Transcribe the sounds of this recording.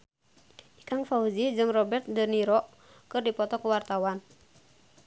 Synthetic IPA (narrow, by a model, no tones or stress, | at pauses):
ʔikaŋfauzid͡ʒɨŋrɔbɛrt̪̚dərniɾɔ | kɨrdipɔt̪ɔkuwart̪awan